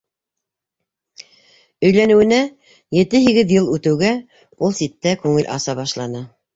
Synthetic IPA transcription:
ɵ̆jlænɘ̆wɘ̆næ | jɘ̆t̪ɘɦiɡɘðjɤlˠʉt̪ɘ̆wɡæ | ulˠsit̪ːækʉŋɘlʔɑ̰sɑβɑʃlˠɑnɤ

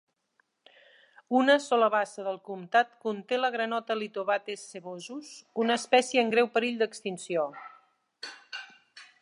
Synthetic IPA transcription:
unəsɔləβasəðəlˠkumt̪at̪kunt̪eləɣɾənɔt̪əlit̪uβat̪esːəβozuzunəspɛsjəːŋɡɾɛwpəɾiʎʲd̪əkst̪insio

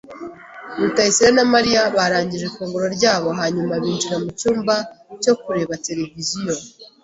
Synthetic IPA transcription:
mutaisiɾanamaɾijaβaɾaːɲɟiʒekuːŋɡuɾo̞ɾɟaːβo̞ɦaɲumaβiːnt͡ʃuɾamucuːmbaco̞kuɾe̞βate̞ɾe̞vizijo̞

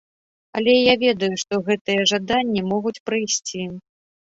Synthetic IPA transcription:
ɐlʲɛjavʲɛd̪ɐjuʂt̪ɔɣɛt̪ɨjɐʐad̪anʲːimɔɣut͡sʲpɾɨjsʲt͡sʲi

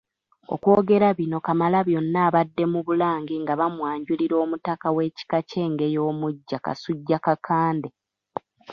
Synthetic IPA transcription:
o̞̰kwo̞ːɡe̞ɾaβino̞kamalaβjo̞nːaːβadːe̞muβulaːŋɡiŋɡaβamwaːɲɟuliɾo̞ːmutakawe̞ːci̥kace̞ːŋɡe̞jo̞ːmuɟːaka̰suɟːakakʰaːnde̞

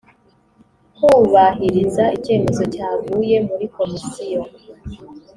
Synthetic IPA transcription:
kuβaɦiɾizaice̞ːme̞zo̞caːɡuːje̞muɾiko̞misijo

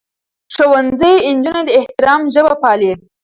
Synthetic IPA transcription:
ʂowanzəjɪnd͡ʒuned̪əɪht̪ɪɾɑmʒəbapɑle

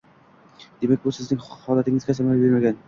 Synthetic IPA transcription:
d̪̥e̞mækʲbʊsɪznɪŋhɒlˠat̪ɪŋɪzkʲʰasamalbeɾmaɡʲan

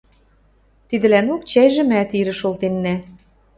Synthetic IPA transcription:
t̪id̪ɘ̆lænokt͡ɕæjʒĕmæt̪iɾɘ̆ʃolt̪enːæ

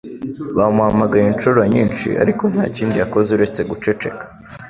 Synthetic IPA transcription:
βamuhamaɡajent͡ʃuɾaɲiːnt͡ʃḭʔa̰ɾiko̞n̥ha̰ːciːndiako̞zeuɾe̞t͡se̞ɡut͡ʃe̞t͡ʃe̞̰kḁ

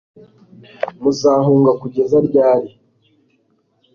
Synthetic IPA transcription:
muzaːɦuːŋɡakuɟe̞zaɾɟaːɾi

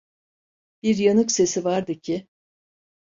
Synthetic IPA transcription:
b̥iɾjanɯkse̞sivaɾd̪ɯcʰɪ

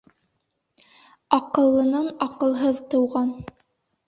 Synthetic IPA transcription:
ɑqɤ̆lˠːɤ̆nɑnɑqɤ̆lˠɦɤðt̪ɤ̆wʁɑn

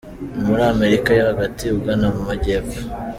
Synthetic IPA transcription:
muɾaːme̞ɾikajohaɡatiuɡanamumaɟe̞ːpo̥

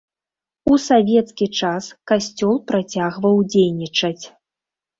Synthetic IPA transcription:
usavʲɛt̪skʲit͡ʂaskasʲt͡sʲɔlˠpɾat͡sʲaɣvɐwd͡zʲejnʲit͡ʂɐt͡sʲ

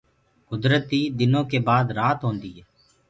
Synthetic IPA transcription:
kʊd̪ɾət̪iːd̪ɪnõːkeːbaːd̪ɾaːt̪ɦõːnd̪iːɦɛː

